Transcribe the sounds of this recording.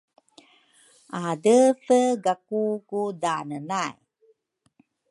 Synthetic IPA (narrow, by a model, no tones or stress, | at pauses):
ʔadəfəɡakukudanənaj